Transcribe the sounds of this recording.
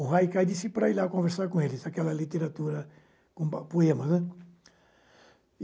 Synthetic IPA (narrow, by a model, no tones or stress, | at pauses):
uɦajkajd̪isipɾailakõveɾsaɾkõelɪzakɛlɐlit̪eɾat̪uɾɐ | kõpoẽmɐsnɛ̃